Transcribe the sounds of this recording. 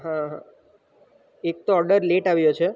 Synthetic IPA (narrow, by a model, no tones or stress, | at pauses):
ɦãɦã | ek̚t̪oɔɾɖəɾleʈaʋjot͡ʃʰe